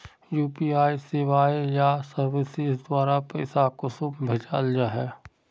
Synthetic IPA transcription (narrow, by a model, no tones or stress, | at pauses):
juːpiːaːisɪʋaːijasəɾʋɪsɪsd̪waːɾapɛ̰ːsakʊsʊmbʱed͡ʒaːld͡ʒaɦɛː